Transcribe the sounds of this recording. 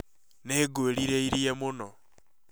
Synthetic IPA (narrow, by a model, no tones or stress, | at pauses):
neːɡoɾiɾeiɾjemuno